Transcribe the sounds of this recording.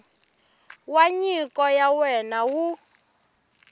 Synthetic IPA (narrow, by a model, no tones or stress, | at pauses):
waɲikɔjawɛnawu